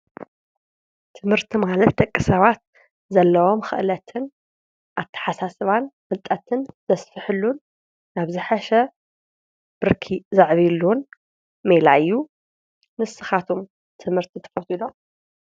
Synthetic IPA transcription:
t̪ʰɨmhɨɾt̪ʰimalɐt̪d̪ɐkʼːɨsɐβat̪̚ | zɐlːɐwo̞mxɨ̰ʔlɐt̪ʰɨn | ʔaβt̪ʰɐ̥ħasasɨβanmɨlt̪ʼɐt̪ʰɨnz̥ɐsfɨħɨlːunː | aβzɨħaʃɛ | b̥ɨɾkʰizaʕβilːun | melaɨjːu | nɨsɨxat̪ʰum | t̪ʰɨmhɨɾt̪ʰit̪ʰɐ̥fɐt̪ʰilo

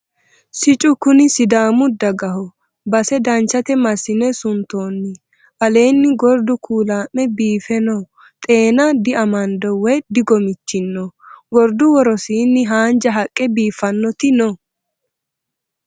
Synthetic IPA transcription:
sɪt͡ʃʼʊkʊnɪsɪd̪aːmʊd̪ɐɡɐɦɔ | bɐsɛd̪ɐnt͡ʃːɐt̪ɛmɐsɪnɛsʊnt̪oːnːɪ | ʔɐle̞ːnːɪɡɔɾd̪ʊkʰuːlaːmːɛbiːfɛnɔ | t̪ʼe̞ːnɐd̪ɪɐmɐnd̪ɔwɛjd̪ɪɡɔmɪt͡ʃːɪnːɔɡɔɾd̪ʊwɔɾɔsiːnːɪɦaːnd͡ʒɐɦɐkʼːɛbiːfɐnːɔt̪ɪnɔ

